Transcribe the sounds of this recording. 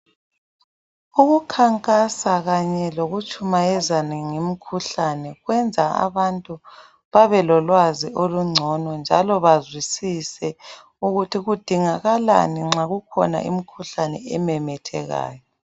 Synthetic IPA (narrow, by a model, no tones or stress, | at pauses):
uɣukʰaŋkʼasaɣaɲɛloɣut͡ʃʼumaɛzaniŋim̩kʰuɬanɛɣwɛnd͡zʱaa̰βantʼu | βaβɛlɔlwaziʔoluŋ͡ǀʱɔnɔnd͡ʒʱalɔβazwisisɛ | uɣutʰiɣud̥ʱiŋaɣala̰niŋ͡ǁaɣukʰɔ̰na̰ʔḭm̩kʰuɬanɛ̰ɛmɛmɛtʰɛɣa̰ːjɔ